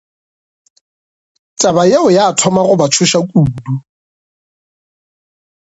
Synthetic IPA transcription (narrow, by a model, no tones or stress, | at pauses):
t͡ʃʼabaeʊjaːtʰɔmaɣʊbat͡ʃʰʊʃakʼuːdu